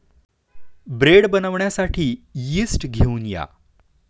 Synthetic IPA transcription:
bɾeɽbənaʋɳjasaʈʰiːjisʈɡʱeunja̰

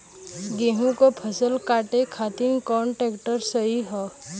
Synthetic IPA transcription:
ɡẽːɦũkopʰəsəlkaːʈekʰaːt̪inkɔːɳʈeːkʈəɾsəɦiɦɔː

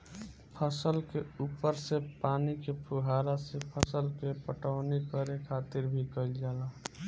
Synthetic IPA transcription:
pʰəsəlkeuːpəɾsepaːnikepʰuɦaːɾasepʰəsəlkepəʈəʊnikəɾekʰaːt̪ɪɾbʱikəild͡ʒaːla

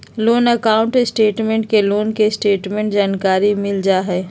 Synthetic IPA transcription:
loːnəkaːʊ̃ɳʈɪsʈeːʈmẽɳʈkeloːnkesʈeːʈmẽɳʈd͡ʒaːnkaːɾimɪld͡ʒaːɦɛː

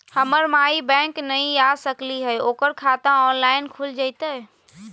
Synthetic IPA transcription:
həməɾmaibɛ̃ŋknəĩjasəkliɦəjoːkəɾkʰat̪ãɔnlaɪnkʰuld͡ʒajt̪ə

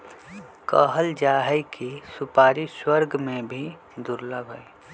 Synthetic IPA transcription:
kəɦəld͡ʒaɦəkisʊpaːɾiswəɾɡmẽbʱi | d̪ʊɾləbʱəi

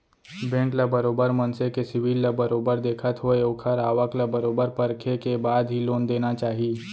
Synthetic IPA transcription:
bɛ̃ːŋklabəɾoːbəɾmə̃nsekesɪʋilːabəɾoːbəɾd̪eːkʰət̪ɦoeʊkʰəɾaːʋəklabɐɾoːbəɾpəɾkʰekebaːd̪ɦiloːnd̪eːnat͡ʃaːɦieː

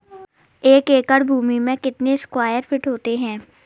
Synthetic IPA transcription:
eːkeːkəɽbʱuːmimẽkɪt̪neskwaːjəɾfɪʈɦoːt̪eɦɛ̃ː

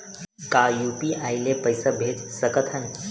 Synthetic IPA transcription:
kajupiʔajlepəjsəbʱet̪səkət̪ʰən

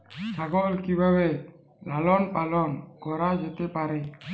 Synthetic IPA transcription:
saɡɔlkibawe | lalɔnpalɔnɡɔɾad͡ʒet̪epaɾe

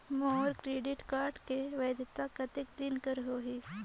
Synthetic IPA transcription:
mɔːɾkɾeːɖɪʈkaːɾɖkeʋeːd̪ɪt̪akɐt̪ɪkd̪ɪnkəɾɦoːɦi

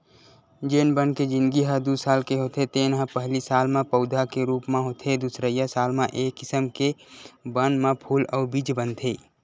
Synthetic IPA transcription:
d͡ʒeːnbənked͡ʒɪ̃nd̪ɡiɦəd̪usaːlkeɦoːt̪ʰet̪eːnɦə̃pəɦlisaːlmẽpəʊd̪ʱakeɾuːpmẽɦot̪ʰed̪usɾəijəsaːlmẽʔeːkːɪsəmkebənmãpʰuːlɔːɾbiːd͡ʒbənt̪ʰeː

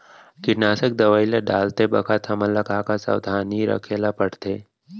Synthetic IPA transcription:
kɪʈnaːsək̚d̪ɐʋaːileɖaːlt̪ebɐkʰat̪ʰɐməlːəkaːkasa̰wd̪ʱaːniɾə̰kʰeːlapəɽt̪eː

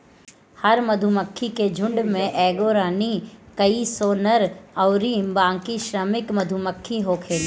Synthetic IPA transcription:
hɐɾmɐd̪ʱʊməkʰːiked͡ʒʱʊ̃ɳɖmẽʔɛːɡoːɾaːnikɐisoːnəɾɐʊɾiːmbãːŋkiʃɾəmɪkmɐd̪ʱuməkʰːiɦokʰeːlː

